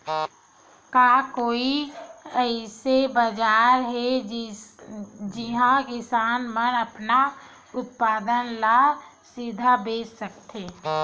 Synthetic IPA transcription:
kaːkoːiəɪsebəd͡ʒaːɾɦɛ | d͡ʒɪɦãkɪsaːnmənəpna | ʊt̪̚paːd̪ənla | sɪd̪ʱabeːssəkt̪ʰeː

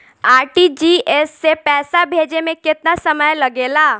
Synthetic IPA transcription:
aɾʈid͡ʑiesːepɛːsabʱed͡ʑemeket̪nasəməjləɡela

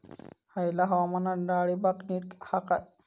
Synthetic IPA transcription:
hajlaɦawamanadaɽibakniɾkhaka

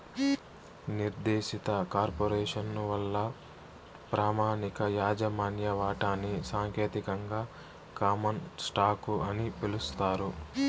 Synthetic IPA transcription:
niɾd̪eːʃit̪ɐkaːɾpoɾɛːʂɐnʋɐlːɐ | pɾaːmaːnikɐjaːd͡ʒɐmaːnjɐʋaːʈaːnːisaːŋkeːt̪ikɐŋɡaː | kaːmɐnsʈaːkuɐnipilust̪aːɾu

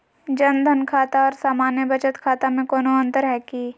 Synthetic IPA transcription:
d͡ʒɐnd̪ʱənkʰaːt̪aɔːɾsaːmaːnjəbɐt͡ʃət̪kʰaːt̪amẽkɔːnoɐ̃nt̪əɾɦɛːki

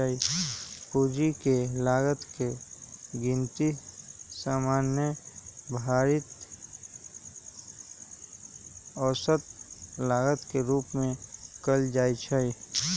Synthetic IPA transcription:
əipud͡ʒikelaːɡət̪keɡɪ̃nt̪isaːmaːnjəbʱaːɾit̪ | ɔːsət̪laːɡət̪keɾuːpmẽkəld͡ʒaːit͡ʃʰəi

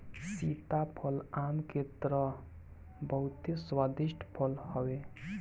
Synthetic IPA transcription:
sit̪apʰəlamket̪ɾə | bəɦut̪iswad̪iʃʈʰpʰəlhəwe

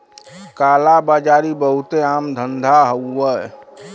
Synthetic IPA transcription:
kalabad͡ʒaɾibəɦut̪eamd̪ʱənd̪ʱaɦəə

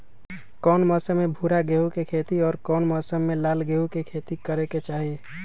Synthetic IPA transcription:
kɔːnmɔsəmːebʱuɾaɡeɦukekʰet̪iɔːɾkɔːnmɔsəmːelalɡeɦukekʰet̪ikəɾeket͡ʃaɦi

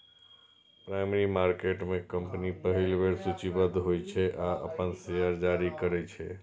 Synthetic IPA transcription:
pɾaɪmeɾimaɾkeʈmekəmpnipəɦilbeɾsut͡ʃibəd̪ʱɦojt͡ʃʰɛʔaə̰pənsejəɾd͡ʒaɾikəɾɛt͡ʃʰɛ

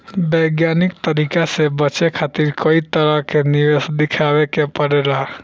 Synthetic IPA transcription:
bəjɡjanikt̪əɾikasebət͡ʃekʰat̪iɾkoit̪əɾəɦkeniʋesd̪ikʰawekepəɾela

